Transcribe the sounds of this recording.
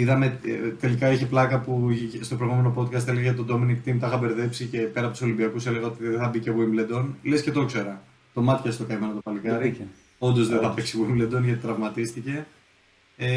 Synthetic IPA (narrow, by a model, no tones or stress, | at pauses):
iðɐme̞t̪e̞likɐiçeplɐkɐpust̪o̞pɾojɣume̞no̞po̞t̪kɐst̪eleɣɐʝɐt̪od̪o̞minikt̪imt̪ɐxɐbe̞ɾðe̞psice̞pe̞ɾɐpot̪uso̞limbiɐkuse̞le̞ɣɐot̪iðeeθɐbicevuimled̪o̞nlesce̞t̪o̞kse̞ɾɐ | t̪o̞mɐt̪çɐst̪o̞kɐime̞nɐt̪opɐlikɐɾi | o̞nd̪o̞zðeθɐpeksivuimbled̪o̞nʝɐt̪i̥t̪ɾɐvmɐt̪ist̪ice̞